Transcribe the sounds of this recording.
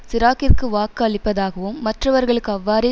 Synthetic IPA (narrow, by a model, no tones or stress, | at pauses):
sɪɾaːkɪrkɯʋaːkːɯɐɭɪpːɐðaːɣɐʋɯmːɐʈrɐʋɐɾɣɐɭɯkːɯɐʋːaːɾe